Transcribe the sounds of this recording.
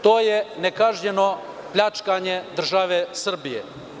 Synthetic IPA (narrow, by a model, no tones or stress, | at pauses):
t̪oːjenekaʒɲeno | pʎʲat͡ʃkaɲed̪r̩ʒaʋesr̩bijḛ